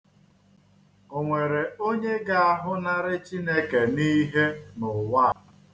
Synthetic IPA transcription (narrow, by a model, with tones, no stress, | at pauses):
o˨ŋʷe˨ɾe˨o˦ɲe˦ɡa˦a˦˨ɦʊ˦na˦ɾɪ˦t͡ʃi˦ne˦ke˨ni˦ɦe˦nʊ˨wa˦˨